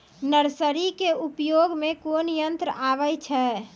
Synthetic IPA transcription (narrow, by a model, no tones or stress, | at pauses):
nəɾsəɾikeupjoɡmekonjənt̪ɾəaʋəjt͡ʃʰɛ